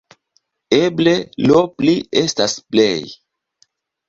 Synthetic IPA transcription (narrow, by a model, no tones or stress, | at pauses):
eble̞loplie̞stasplḛj